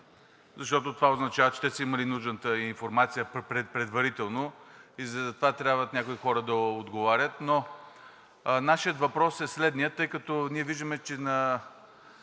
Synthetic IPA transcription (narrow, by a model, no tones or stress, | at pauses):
zɐʃt̪ɔt̪ot̪ovaoznɐt͡ʃavət͡ʃɛ̥t̪ɛsəiməlinuʒnət̪əinfoɾmat̪sijəpɾɛpɾɛd̪vɐɾit̪ɛlˠnoizɐt̪ovat̪ɾʲabvət̪nʲakoixɔɾəd̪ɐod̪ɡovaɾʲət̪no | naʃijət̪vɐpɾɔsɛslɛd̪nijət̪ːɤjkɐt̪ɔniɛviʒd̪əmɛt͡ʃɛnɐ